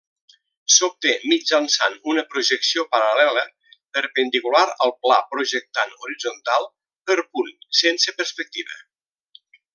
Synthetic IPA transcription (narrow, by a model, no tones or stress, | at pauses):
sop̚t̪emid͡ʒansa̰nunəpɾuʒəksiopəɾəlɛlə | pəɾpənd̪ikulaɾəlˠpla̰pɾuʒək̚t̪anuɾid͡zont̪alˠ | pəɾpunsensəpəɾspək̚t̪iβə̰